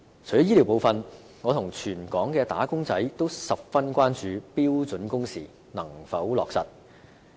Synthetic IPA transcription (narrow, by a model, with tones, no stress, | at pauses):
t͡ʃʰɵ˨˩jɔ˦˥jiː˥liː˨˩wpo˨˧wfɐ˧n | ŋɔː˨˧t̪ʰʊ˨˩ŋt͡ʃʰyː˨˩nkɔː˨˥ŋkɛː˧t̪a̰ː˨˥kʊ˥ŋt͡sɐ˨˥jt̪o˥wsɐ˨p̚fɐ˥nkʷaː˥nt͡ʃyː˨˧piː˥wt͡sɵ˨˥nkʊ˥ŋsiː˨˩ | nɐ˨˩ŋfɐ˨˥wlɔ̰ː˨k̚sɐ̰˨t̚